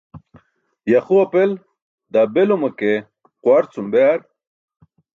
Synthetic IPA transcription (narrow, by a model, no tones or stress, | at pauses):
jaχuɐpel | d̪abelumɐke | qwaɾt͡sumbeaɾ